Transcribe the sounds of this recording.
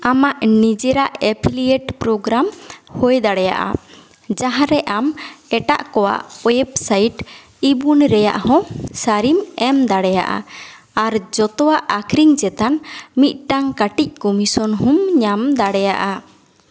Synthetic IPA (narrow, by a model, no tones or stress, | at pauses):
amaʔnid͡ʒɛɾaʔɛpʰilieʈpɾɔɡɾamhojd̪aɽɛja̰ʔa̰ | d͡ʒaɦãɾɛʔamɛʈa̰ʔkɔwa̰ʔwɛɛbsajʈ | ibunɾɛja̰ʔhɔ̃saɾimɛmd̪aɽɛja̰ʔa̰ | aɾd͡ʒɔt̪ɔwaʔakʰɾiŋd͡ʒɛt̪anmit̪̚ʈaŋkaʈic̚kɔmisɔnhumɲamd̪aɽɛja̰ʔa